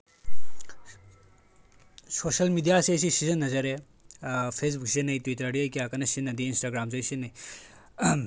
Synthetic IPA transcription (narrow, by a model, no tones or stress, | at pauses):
soːʃɐlmiːdijaːsesisizɐnːɐzɐɾe | fʰeːs̬buksinɐit̪witɐɾɐːɽjoikiaːkɐnɐsinːɐd̪iinsʈaːɡɾaːmzojsinɐi